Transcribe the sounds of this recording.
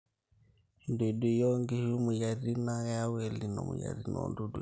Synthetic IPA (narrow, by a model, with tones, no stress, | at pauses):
nde˨du˨jɔ˦ŋɡi˦hu˦mu˨ja˨ɾi˦na˦ɣa˦wɛ˨li˨nɔ̰˨mu˨ja̰˨ɾi˦nɔ̰ndu˦du˨